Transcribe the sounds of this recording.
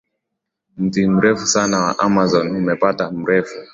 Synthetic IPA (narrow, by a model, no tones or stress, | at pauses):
m̩tim̩ɾɛfusanawa̰ʔamazɔnhumɛpatam̩ɾɛfu̥